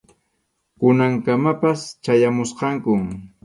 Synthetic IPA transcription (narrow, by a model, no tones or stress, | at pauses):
kʊnaŋkamapast͡ʃajamʊsqɑŋkʊm